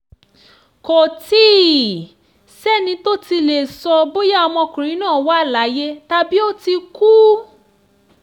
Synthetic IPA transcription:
ko˨tiː˦˨ | sɛ˦˨nĩ˧˦to˦ti˧le˨sɔ˧bo˦ja˦˨ɔ˧mɔ̃˧kũ˨ɾ̃ĩ˨˦nãː˦˨wa˦˨la˨˦je˦ta˧bi˦o˦ti˧ku˦

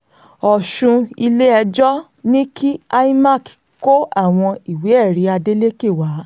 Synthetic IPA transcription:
ɔ˨ʃũ˧i˧le˦ɛ˧d͡ʒɔ˦ | nĩ˦kʰi˦a˦i˦ma˦˨k | ko˦a˦˨w̃ɔ̃˧i˨we˨˦ɛ˦˨ɾi˨˦a˧de˦le˦ke˦˨wa˨˦

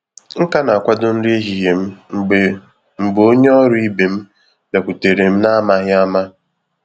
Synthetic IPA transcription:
ŋ̩˦ka˦na˨a˨kʷa˦dʊ˦n̩˦ɾi˦e˦ɦi˨ɦe˨m̩˦˨e˨ | m̩˨ɡ͡bo˦ɲ˦ɔ˦ɾʊ˦i˦be˨m̩˦ | be˨kʷu˨te˨ɾe˨m̩˦na˦ma˦ɦja˦ma˦

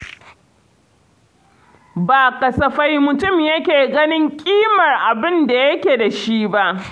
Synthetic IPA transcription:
baː˨kʼɐ˨sɐ˨ɸa˦jmʊ˨tʊ˦˨mjɐ˦kʲeː˨ɡɐ˦nɪ˦ŋkʲʼiː˦mɐ˨rʔa˨bɪ˦nda˨jɐ˦kʲe˨da˨ʃi˦ba˦ʔ

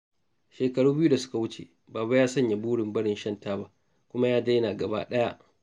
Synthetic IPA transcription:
ʃeː˨kɐ˨ɽuː˦bɪ˦ju˦da˨sʊ̥˦ka˨wʊ˦t͡ʃḛ˨ | baː˨ba˦jaː˦sɐ˦ɲja˨buː˦ɽɪ˨mbɐ˦ɽɪ˦˨nʃɐ˦ntaː˦ba˦ʔ | kʷʊ˦ma˦jaː˦da˦jɐ˦naː˨ɡɐ˨ba̰ː˦ɗɐ˦ja˦ʔ

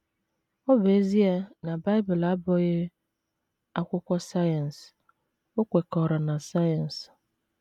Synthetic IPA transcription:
ɔ˦be˦zi˦e˦na˨ba˦ɪ˦bʊ˨la˦bɔ˦ɣɪ˦ | a˦kʷʊ˦kʷɔ˦sa˦ja˨n˨s | o˦kʷe˨kɔ˨ɾa˨na˨sa˦ja˨n̩˨s

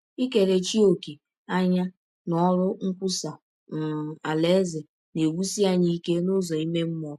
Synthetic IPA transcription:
i˦ke˨ɾe˨t͡ʃi˦o˨ki˨ | a˦ɲa˦ | nɔ˦ɾʊ˦ŋ̩˦kʷʊ˦sa˨ | a˨le˦ze˨ | ne˨wu˦si˦a˦ɲi˦ke˦nʊ˦zɔ˨i˦me˦m̩˦m˦ɔ˨˦

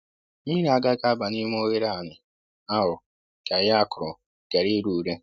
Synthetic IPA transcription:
mi˦ɾa˨ɡa˦ɡa˦ba˨ni˦m˦o˦ɣe˦ɾa˦˨nɪ˨ | a˦ɦʊ˨ | ɡ̥a˨ja˦kʊ˨ɾɔ˨ | ɡ̥e˨ɾi˦ɾu˦˨ɾe˦

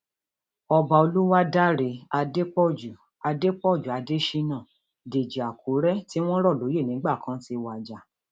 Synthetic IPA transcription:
ɔ˧ba˧o˧lu˦wa˦da˦ɾe˨˦a˧de˦k͡pɔ˦˨d͡ʒu˨ | a˧de˦k͡pɔ˦˨d͡ʒu˨a˨˧de˦ʃi˧nã˦˨ | de˨d͡ʒi˨a˨ku˨˦ɾɛ˦ti˦w̃ɔ̃˦ɾɔ˦˨lo˨˦je˦˨nĩ˨˦ɡ͡ba˦˨kʰã˦ti˧wa˨d͡ʒa˨˦

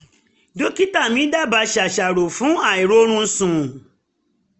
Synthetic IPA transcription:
do˦ki˦ta˦˨mĩ˨˦da˦˨ba˧˦ʃa˨ʃa˨ɾo˨fũ˨˦a˦˨i˨ɾo˦ɾ̃ũ˦˧n̩˧˦sũ˨

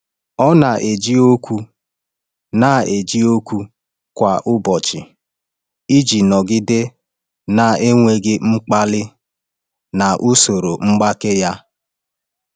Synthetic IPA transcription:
ɔ˦na˨ʔe˨d͡ʒi˦o˦kʷu˦ | na˨e˨d͡ʒi˦o˦kʷu˦ | kʷa˨ʔʊ˦bɔ˨t͡ʃɪ˨ | i˦d͡ʒi˨nɔ˨ɡɪ˦dɪ˦ | na˨e˦ŋʷe˦ɡɪ˦ŋ͡m̩˦k͡pa˦lɪ˦ | na˨ʔu˦so˨ɾo˨ŋ͡m̩˦ɡ͡ba˦ke˦ja˦

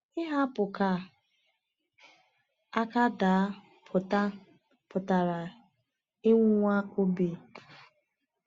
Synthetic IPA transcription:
ɪ˦ɦa˦pʊ˨ka˨ | a˦ka˦daː˨˦ | pʰʊ˨ta˦ | pʊ˨ta˨ɾa˨ | ɪ˦ŋʷu˦ŋʷa˦o˦bi˨

